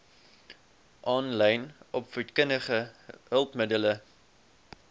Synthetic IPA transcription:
ʔɑːnlɛjnɔpfutkənəχəɦəlˠpmədələ

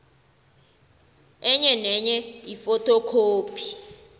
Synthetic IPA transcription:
ɛɲɛnɛɲɛjifɔtʰɔkʰoːpʰi̥

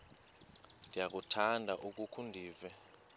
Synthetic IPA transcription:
ndʱijak̬ʼutʰandʱaʔuk̬ʼukʰundʱiːvɛ

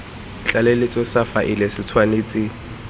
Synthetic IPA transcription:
t͡ɬʼalɛlɪt͡sʼɔsafaʔɪlesɪt͡sʰwaneːt͡sʼɪ

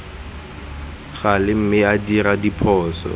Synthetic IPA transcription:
ɣalɪm̩mɪadiradipʰɔːsɔ̰

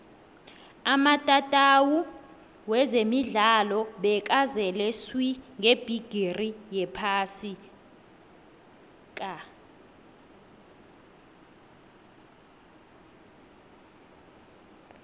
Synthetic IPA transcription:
amatʼatʼawu | wɛzemiɮalɔɓɛkʼazɛlɛswiŋɡeb̥ʱiɡ̥ʱirijɛpʰaːsi | kʼa

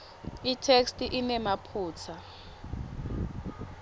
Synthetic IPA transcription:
itʰekstiʔinɛmapʰuːt͡sʰa

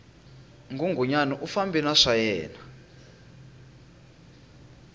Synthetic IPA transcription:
ŋɡʱuŋɡʱuɲanɔʔufambʱinaʂajɛːna

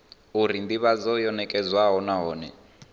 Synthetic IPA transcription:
uɾind̪iβad͡zɔjɔnɛkʼɛd͡zwaɦɔnaɦɔːnɛ

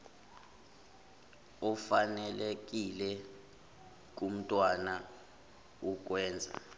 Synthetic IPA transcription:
ɔfanɛlek̬ilɛ | k̬ʼum̩tʼwana | uk̬ʼwɛːnd͡zʱa̰

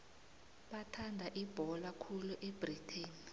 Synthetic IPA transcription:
ɓatʰandʱaʔib̥ʱɔlakʰuluʔeb̥ritʰeːni

